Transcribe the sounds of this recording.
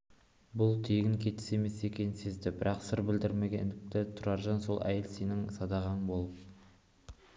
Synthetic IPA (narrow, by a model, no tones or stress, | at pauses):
bʊlˠt̪ʰeɡʲɪŋkʲʰe̞t̪ɪ̥se̞me̞se̞kʲe̞nɪnsezd̪ɪbɪɾɑqsəɾbɪld̪ɪɾme̞ɡʲend̪ɪkt̪ɪt̪ʰʊɾɑɾʒɑnso̞lˠʔæ̰je̞lse̞nɪŋsɑd̪ɑʁɑɴbo̞lˠəp̚